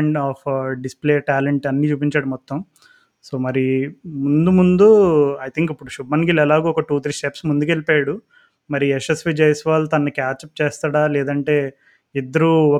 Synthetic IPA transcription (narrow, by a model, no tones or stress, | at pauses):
ɳɖaːpʰɖispleːʈaːleɳʈɐnːiːt͡ʃuːpiɲt͡ʃaːɽumɔt̪ːɐm | so̞ːmɐɾimund̪umund̪uɐjt̪ʰiŋkipːuɽuʃubɐnɡilɛlaːɡuɔkɐʈuːt̪ʰɾisʈepsmund̪ukelipaːɽu | mɐɾiɛsesʋid͡ʒejsʋaːlt̪ɐnːɐkaːt͡ʃɐp̚t͡ʃeːst̪aːɽaːlɛːd̪ɐɳʈe̞ː | id̪ːɐɾuɔ